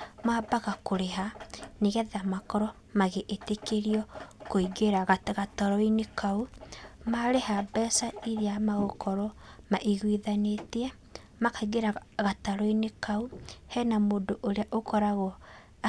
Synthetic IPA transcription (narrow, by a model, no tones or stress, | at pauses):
maːbaɣakoɾeɦaneɣɛðamakɔɾɔ | maɣeʔetekeɾiɔkoiɡeɾaɣatɣataɾɔinekʰaumaɾehabɛsaiɾeamaɣokɔɾɔmaʔiɣwiðanetiɛ | makaiɡeɾaɣataɾɔinekauhɛnamoːdoʔoɾeaʔokɔɾaɣɔ